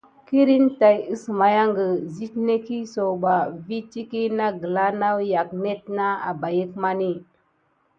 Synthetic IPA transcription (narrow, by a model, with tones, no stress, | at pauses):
ki˦ɾi˦nta˨ji˦sma˨ja˦ŋɡə˨zi˦tne˦ki˦so˨ba˨vi˦t͡ʃi˦ki˦na˦ɡə˨la˦na˦wja˨kne˦t̚na˦a̰˨ba˨jə˦kma˦ni˦